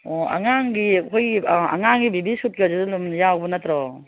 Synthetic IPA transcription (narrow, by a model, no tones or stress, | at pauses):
ɔa̰ŋaŋɡikʰɔja̰ŋaŋɡibibisut̚kiazidlumjawbɔnatʰɾɔ